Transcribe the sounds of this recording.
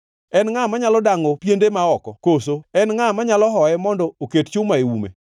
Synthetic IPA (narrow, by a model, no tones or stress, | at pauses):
ɛnŋamaɲalɔdaŋɔpjendemaɔkɔkosoɛnŋamaɲalɔɦɔɛmɔndɔokett͡ʃʊmaewumḛ